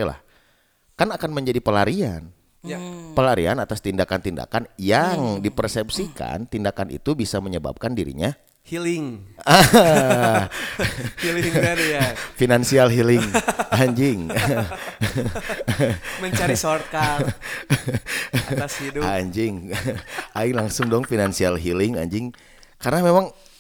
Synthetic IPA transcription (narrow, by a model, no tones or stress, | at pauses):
ala̰h | kanakanməɲd͡ʒadipəlaɾia̰n | pəlaɾianat̪ast̪indakant̪inda̰kanjaŋdipərsɛpsika̰nt̪indakanʔḭt̪ubisaməɲəba̰p̚kandiɾḭɲa | hilɪŋa | finansialɦilɪŋŋaɲd͡ʒɪŋ | məɲt͡ʃaɾisorka | sdaɲd͡ʒɪŋ | ʔaɪŋlaŋsʊŋdɔŋfinansialɦilɪŋa̰ɲd͡ʒɪŋ | karənamemaŋ